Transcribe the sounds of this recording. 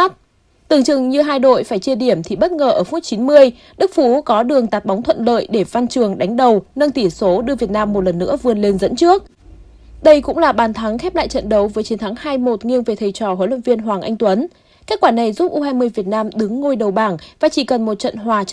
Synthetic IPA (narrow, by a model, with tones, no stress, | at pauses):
t̚ | t̪ɨ˨˩əŋt͡ɕɨ˨˩ŋɲɨ˧ɦaː˧jɗo̰˧˨jfaː˧˩jt͡ɕi˧əɗi˧˩əmt̪ʰi˨˩ɓə˦˥t̚ŋəː˨˩ʔəː˧˩fu˦˥t̚t͡ɕi˨˦nmɨ˧əj | ɗɨ˦˥k̚fu˨˦kɔ˨˦ɗɨ˨˩əŋt̪aː˨˩t̚ɓa˨˦wŋ͡mt̪ʰwə̰˧˨nlə̰ː˧˨jɗe˧˩va˧nt͡ɕɨ˨˩əŋɗa˨˦ŋ̟ɗə˨˩wnə˧ŋt̪i˧˩so˨˦ɗɨ˧əvət̚naː˧mːo˨˩t̚lə˨˩nːɨ̰˧˥əvɨ˧˩ənle˧nzə̰˧˥nt͡ɕɨ˦˥ək̚ | ɗə˧jkʊ̰˧˥ŋ͡mlaː˨˩ɓaː˨˩nt̪ʰa˨˦ŋxɛ˦˥p̚la̰ː˧˨jt͡ɕə̰˧˨nɗə˨˦wvəː˨˦jt͡ɕi˨˦nt̪ʰaː˨˦ŋhaː˧jmo˨˩t̚ŋi˧əŋve˨˩t̪ʰə˨˩jt͡ɕɔ˨˩hoː˨˦jlwə̰˧˨nvi˧ənɦwaː˨˩ŋʔa˧jŋ̟t̪wə˨˦n | ke˦˥t̚kwaː˧˩na˨˩jzu˦˥p̚ʔu˧ɦaː˧jmɨ˧əjvi˨˩ət̚naː˧mɗɨ˨˦ŋːo˧jɗə˨˩wɓaː˧˩ŋvaː˨˩t͡ɕi˧˩kə˨˩nmo˨˩t̚t͡ɕə̰˧˨nɦwaː˨˩